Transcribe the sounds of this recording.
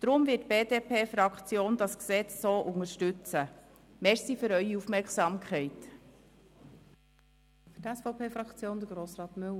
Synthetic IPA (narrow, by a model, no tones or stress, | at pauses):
d̪̥ɾʊmvɪːtb̥eːdeːpʰeːfɾɑkχt͡sjoːnd̪ɑsksɛt͡ssoːʔʊŋəɾʃtʉt͡sə | mɛɾsiføɾœʏiufmɛɾksɑmkʰχɛɪt | fytæsfɔʊpʰeːfɾɑkt͡sjoːnd̪əɡɾoːsrɑːt̪møl